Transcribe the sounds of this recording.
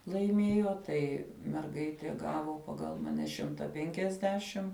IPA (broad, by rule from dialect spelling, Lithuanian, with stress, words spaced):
lˠɐɪˈmʲeːjoː ˈtɐɪ mʲɛrˈɡɐɪtʲeː ˈɡɑːʋoː ˈpɑːɡɐlˠ mɐˈnʲɛ ˈʃʲɪmtɐ ˈpʲɛŋʲkʲɛzʲdʲɛʃʲɪm